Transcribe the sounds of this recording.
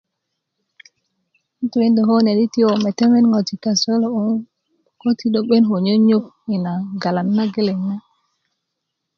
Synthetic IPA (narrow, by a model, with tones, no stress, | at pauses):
ntu˨wi˦ndo˨ɦo˦ne˨di˦ti˦o˨me˨te˦me˦nŋo˨ti˨ka˨so˦lo˦u˦ŋ | ko˦ti˦ɗo˨ɓe˦nɦo˨ɲo˦ɲo˦k̚ | i˨na˨ɡa˨la˨nːa˦ɡe˦le˨na˦